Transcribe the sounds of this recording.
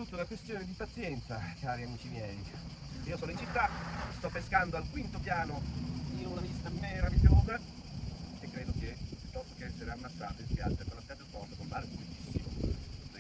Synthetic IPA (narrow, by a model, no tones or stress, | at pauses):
ut̪ːounakwest̪joːned̪ipat̪sːjɛnt̪sakaːɾiamiːt͡ʃimjɛːji | iːosɔːnoint͡ʃit̪ːast̪ɔpːeskand̪oalkwint̪opjaːnoiunamist̪amːɛɾamikɾuːza | ekːɾeːd̪okepːjut̪ːɔst̪o̥keɛsːeɾeamːat̪sːa̰ːt̪oispja̰d͡ʒakonlapjad̪d͡ʒ̪ːapɔ̰rt̪akonla̰ːɾebelːisːimo̰